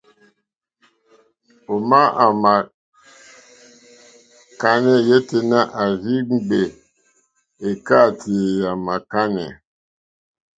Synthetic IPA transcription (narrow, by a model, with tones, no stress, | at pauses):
o˨ma˦a˨ma˨ | ka˦nɛ˦je˦te˨na˦ʔa˨zi˦ŋ͡m̩˦˨ɡ͡be˨ | e˨ka˦˨tʰe˨ja˨ma˨ka˦nɛ̰˨